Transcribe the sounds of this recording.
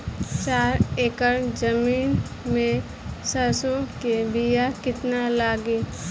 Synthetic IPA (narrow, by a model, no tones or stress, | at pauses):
t͡ʃaːɾeːkəɾd͡ʒəmiːn | mẽ | səɾsokebijakɪt̪nalaːɡe